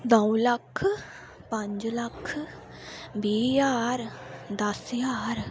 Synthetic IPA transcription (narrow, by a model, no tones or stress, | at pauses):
d̪ɔwlɐkʰ | pɐ̃ɲd͡ʒlɐkʰ | biːjaːɾd̪ɐsjaːɾ